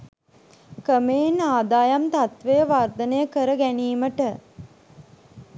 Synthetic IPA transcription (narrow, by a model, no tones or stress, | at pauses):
kəmeːnaːd̪aːjamt̪at̪ʋejəʋard̪ənəjəkəɾəɡæniːməʈə